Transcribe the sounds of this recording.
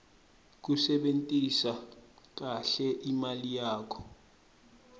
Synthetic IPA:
k̬usɛɓentʼisak̬aɬɛʔimalijaːkʰɔ̥

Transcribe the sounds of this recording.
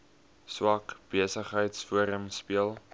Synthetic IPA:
swɐkb̥iəsəχɦəjtsfuəɾəmspiəlˠ

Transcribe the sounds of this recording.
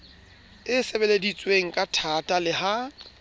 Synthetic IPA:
ɪsɛbɛledit͡sʼweŋ̩kʼatʰatʼalɪɦa

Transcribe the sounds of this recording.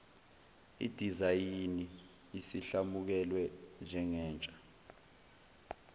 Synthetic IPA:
ḭd̥ʱizajini | isiɬamuk̬ɛlwɛnd͡ʒʱɛŋɛːnt͡ʃʼḁ

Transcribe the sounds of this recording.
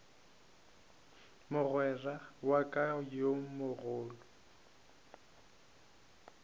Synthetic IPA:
mʊɣwɛrawakʼaɔjomʊɣʊːlɔ

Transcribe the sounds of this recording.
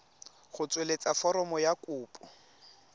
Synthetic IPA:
ɣʊt͡sʼwelet͡sʼafɔɾɔmɔjakʊːpʼɔ

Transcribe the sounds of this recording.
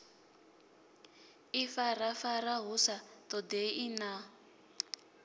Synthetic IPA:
ifarafaraɦusatɔdeina

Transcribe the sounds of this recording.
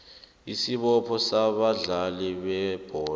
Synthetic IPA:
isiɓɔpʰɔsaɓaɮalɛɓɛb̥ʱɔː

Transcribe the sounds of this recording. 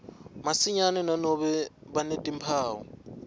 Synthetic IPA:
masɪɲanɛnanoβɛbanetʼim̩pʰaːʊ̰

